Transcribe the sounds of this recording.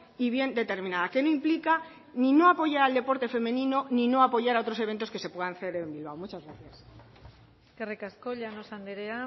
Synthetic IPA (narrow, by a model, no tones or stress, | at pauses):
iβ̞je̞nd̪e̞t̪e̞ɾmĩnaðake̞no̞implika | nino̞apo̞ʝaɾald̪e̞po̞ɾt̪e̞fe̞mẽ̞nĩno̞nino̞apo̞ʝaɾao̞t̪ɾo̞se̞β̞e̞nt̪oskese̞pwe̞ðanθe̞ɾembilβ̞awmut͡ʃazɣɾaθjas | kerekaskoʎanosand̪eɾea